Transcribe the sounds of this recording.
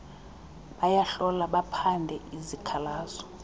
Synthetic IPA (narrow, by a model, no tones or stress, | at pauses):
ɓajaɬɔlaɓapʰandʱɛizikʰalaːzɔ̥